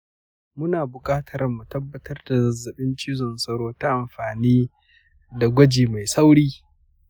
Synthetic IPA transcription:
mʊ˦naː˨bʊ˨kʼaː˦tʰɐ˨ɾɐ˨mːu˨tɐ˦bːɐ˨tʰɐ˦rda˨zɐ˨zːɐ˨ɓɪ˦nt͡ʃiː˦zɔ˨nsɐ˦ɽoː˦ta˦ʔa˨mɸaː˨niː˦ | da˨ɡʷɐ˦d͡ʒiː˨ma˨jsa˦wɽiː˦

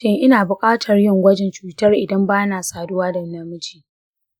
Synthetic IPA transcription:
ɪ˦ŋʔɪ˦naː˨bʊ˨kʼaː˦tʰɐ˨rjɪ˦ŋɡʷɐ˦d͡ʒɛ˨nt͡ʃuː˨tɐ˦rʔɪ˨dɐ˦mbaː˦naː˨saː˨dʊ˦waː˦dɐ˨˦nɐ˨mʊ˦t͡ʃiː˨

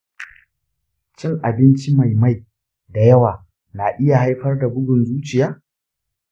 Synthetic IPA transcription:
t͡ʃɪ˦ŋʔa˨bɪ˦nt͡ʃi˦ma˨jma˦j | da˨jɐ˦waː˨ | naː˨ʔɪ˦ja˨ɦa˦jɸɐ˦rda˨bʊ˦ɡʊ˨nzuː˦t͡ʃɪ˨jaː˦

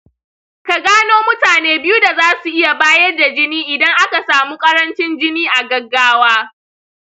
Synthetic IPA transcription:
ka˨ɡaː˦noː˦mʊ˦taː˨neː˦bɪ˦ju˦da˨zaː˦su˨ʔɪ˦ja˨baː˦jɐ˦rda˨d͡ʒɪ˦niː˦ʔɪ˨dɐ˦ŋʔa˦ka˨saː˨muː˦kʼɐ˦ɾɐ˦nt͡ʃɪ˦nd͡ʒɪ˦niː˦ʔa˨ɡɐ˦ɡːaː˦waː˦

